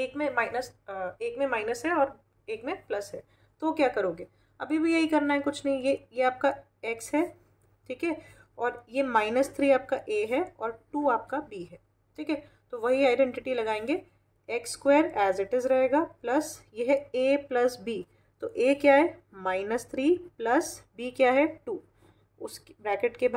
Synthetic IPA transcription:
eːkmẽmaːɪnəseːkmẽmaːɪnəsɦɛɔːɾ | eːkmẽplɐsɦɛː | t̪ookjaːkɐɾoːɡeː | ɐ̰bʱibʱijɐɦikɐɾnaɦɛkʊt͡ʃʰnɐɦĩjejeaːp̚ka | eksɦɛ | ʈʰiːkɦɛ | ɔːɾjemaːɪnəst̪ʰɾiːaːp̚kaʔeːɦɛɔːɾʈuːaːp̚kabiːɦɛː | ʈʰiːkɛ | t̪oʋɐɦiaːɪɖɛ̃ɳʈɪʈilɐɡaːẽːŋɡe | eːkskweːɾɛːzɪʈɪzɾɐɦeːɡaplɐsjeɦɛeːplɐsbiː | t̪oːʔeːkjaːɦɛ | maːɪnəst̪ʰɾiːplɐsbiːkjaːɦɛʈuː | ʊ̰skbɛːkeʈkeb

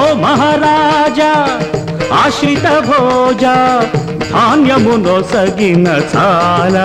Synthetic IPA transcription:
omɐɦaɾaːd͡ʒa | aːʃit̪ɐbʱoːd͡ʒa | b̪ʱaːnjɐmunosɐɡinɐt͡sʰalɐ

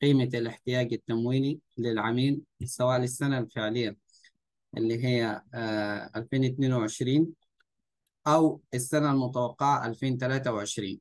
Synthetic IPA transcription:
qiːmalɪħt̪ɪjaːɡat̪ːamwiːlilɪlʕamiːlsawaːʔlɪsːanalfɪʕlɪjːa | ʔɪ̰lːiɦijːa | ʔa̰lfeːnɪt̪neːnwɪʕɪʃɾiːn | ʔawʔasːanalmʊt̪awɑqːɪʕaʔalfeːnt̪alaːt̪awʕɪʃɾiːn

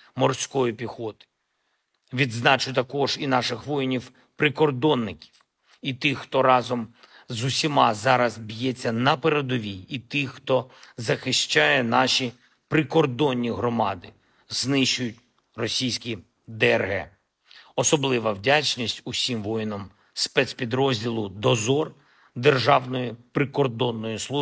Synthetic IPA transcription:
mɔrsʲkɔjipʲixɔt̪ɪ̥ | ʋʲid̪znɑt͡ʃʊt̪ɐkɔʒinɑʃɪxʋɔjinʲiw | pɾɪkɔrd̪ɔnːɪkʲi̥w | it̪ɪxːt̪ɔɾɑzɔm | zʊsʲimɑzɑɾɐzbʲjɛt͡sʲːɐnɐpeɾed̪ɔʋʲiit̪ɪxːt̪ɔzɐxɪʃt͡ʃajɛnɑʃi | pɾɪkɔrd̪ɔnʲːiɦɾɔmɑd̪ɪ | znɪʃt͡ʃʊjʊt̚ʲ | rɔsʲijsʲkʲi | d̪ɛrɦɛ | ɔsɔblˠɪʋɐwdʲat͡ʃnʲisʲtʲusʲimʋɔjɪnɔm | spɛt̪spʲid̪ɾɔzʲdʲilˠʊd̪ɔzɔr | d̪erʒɑwnɔjipɾɪkɔrd̪ɔnːɔjislˠu

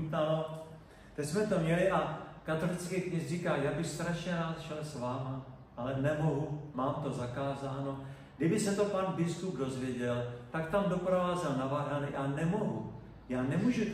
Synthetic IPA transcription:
alo | t̪ɛcsmɛt̪o̞mɲɛlɪʔakat̪o̞lɪt͡skɛkɲɪsrikaːjaːbɪxst̪ɾaʃɲɛɾaːt̪ʃɛlsvaːma | ʔalɛnɛmo̞ɦumaːmt̪o̞zakaːzaːno̞ | ɡdɪbɪsɛt̪o̞panbɪskupdo̞zvjɛɟɛlt̪ak̚t̪amdo̞pɾovaːzɛlnavaɦanɪʔanɛmo̞ɦu | jaːnɛmuʒu

